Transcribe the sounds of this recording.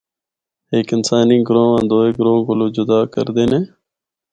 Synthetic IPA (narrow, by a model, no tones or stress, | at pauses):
eːkɪnsaːniːɡɾõːãːnd̪oːeːɡɾõːɡʊloːd͡ʒʊd̪aːkə̰ɾd̪eːnẽː